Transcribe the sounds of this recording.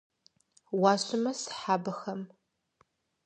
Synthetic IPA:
waːɕʷʼʊmɐsħaːbɐxɐm

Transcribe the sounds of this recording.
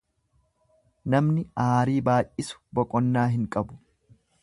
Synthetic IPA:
nɐmnɪaːɾiːbaːʔʔɪsʊ̥bɔkʼɔnːaːɦɪŋkʼɐbʊ̥

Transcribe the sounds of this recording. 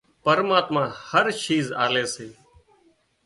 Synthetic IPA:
pəɾmaːt̪mãːhəɾʃiːza̰ːleːseː

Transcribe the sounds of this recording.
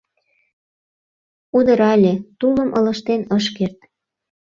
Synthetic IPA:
ud̪əɾɑlʲet̪uləmʔɤ̰lə̆ʃt̪enəʃkert̪̚

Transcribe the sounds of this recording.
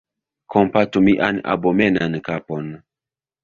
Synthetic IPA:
kʰompatumiʔa̰na̰bomenankapon

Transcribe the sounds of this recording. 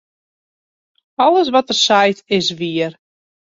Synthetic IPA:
ɔlˠəs̬ʋɔtərsɛjtɪsʋiər

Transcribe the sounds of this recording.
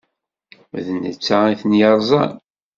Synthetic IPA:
ðənːə̰t͡sːaiθənjəɾˤzˤɑ̰n

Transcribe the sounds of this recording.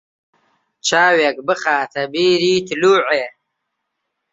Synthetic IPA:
t͡ʃaːwekbəχaːt̪ʰɐbiːɾiːt̪ʰluːʕeː

